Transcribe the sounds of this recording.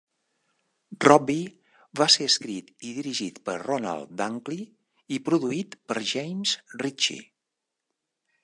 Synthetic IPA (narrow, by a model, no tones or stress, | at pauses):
rɔbi | βaseəskɾit̪iðiɾiʒit̪pəɾrɔna̰lˠd̪aŋkli | ipɾuðuit̪pəɾʒɛjmsrit͡ʃḭ